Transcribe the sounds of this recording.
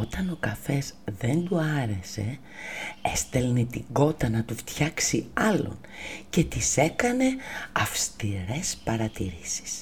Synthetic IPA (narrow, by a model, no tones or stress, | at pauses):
o̞t̪ɐno̞kɐfe̞zðe̞nd̪uɐɾe̞se̞̰ | est̪elnit̪iɡo̞t̪ɐnɐt̪uft̪çɐksiɐlo̞̰n | ce̞t̪ise̞kɐne̞ɐfst̪iɾe̞spɐɾɐt̪iɾisi̥s